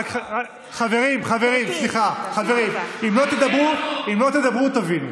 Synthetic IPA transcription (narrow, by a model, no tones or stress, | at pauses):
aka | χave̞ʁimχave̞ʁimsliχaχave̞ʁimimlo̞t̪ed̪abʁuimlo̞t̪ed̪abʁut̪avinu